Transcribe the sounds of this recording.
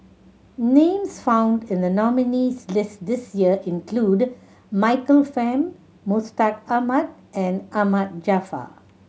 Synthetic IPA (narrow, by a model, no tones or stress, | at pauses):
nẽːmsfãʊ̃ndɪ̃nd̪ənɔminislɪstd̪ɪsjiəʔɪ̃nkʰluːd | maɪkəlfɛ̃mː | ustakamat̚ʔɛ̃namat̚d͡ʒafa̰